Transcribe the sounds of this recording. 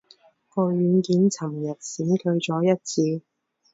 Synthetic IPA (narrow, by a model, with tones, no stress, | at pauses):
kɔː˧ɥyː˨˧nkiː˨˥nt͡sʰɐ˨˩mjɐ˨˩t̚siː˨˥nt̪ʰɵ˧ɥt͡sɔː˨˥jɐ˥t̚t͡sʰiː˧